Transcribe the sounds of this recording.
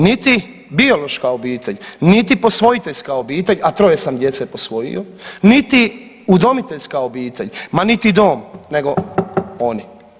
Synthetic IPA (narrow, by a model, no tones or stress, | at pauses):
nit̪i | bio̞lo̞ʃkaobiːt̪ʰe̞ʎnit̪ipo̞sʋo̞it̪e̞ʎskaobiːt̪e̞ʎat̪ɾo̞jesamd̪je̞t̪sepo̞sʋo̞jḭjonit̪i | ud̪o̞mit̪eʎskaobiːt̪e̞̰ʎʲmanit̪id̪o̞ːmne̞ɡo̞o̞ni